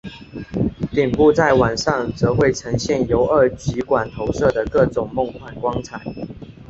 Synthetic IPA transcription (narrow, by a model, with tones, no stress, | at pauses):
t̪i˨˩ŋpu˥˧t͡sa˥˩ɪwa˨˩nʂɑ˥˩ŋt͡sɤ˧˥xwe˥˩ɪʈ͡ʂʰɤ˧˥ŋɕjɛ˥˩njo˧˥ʊə˞˥˩t͡ɕi˧˥kwa˨˩nt̪ʰo˧˥ʊʂɤ˥˩d̪ə˩kɤ˥˩ʈ͡ʂʊ˨˩ŋmo˥˧˨ŋkʰwa˨˩nkwɑ˥ŋt͡sʰa˨˩˦ɪ